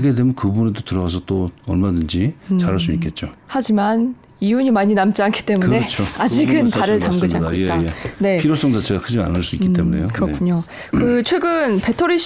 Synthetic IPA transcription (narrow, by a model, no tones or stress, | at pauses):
ɡede̞mjʌnkɯbunedotɯɾʌɡas̬ʰʌt͈oʌɭmadɯnd͡ʑit͡ɕaɾaɭs̬͈uik͈e̞t̚t͡ɕ͈ohad͡ʑiman | ijuɲimaɲinamt͡ɕ͈iankʰi̥t͈e̞mune̞t͡ɕʰoad͡ʑiɡɯnpaɾɯɭamɡɯd͡ʑaaeajene̞pʰiɾos͈ʌŋdat͡ɕe̞ɡakʰɯd͡ʑia̰nɯɭs͈uikk͈ːitt͈e̞mune̞̰jokɯɾʌkʰuɲo | kɯt͡ɕʰwe̞ɡɯnpe̞tʰoɾiɕ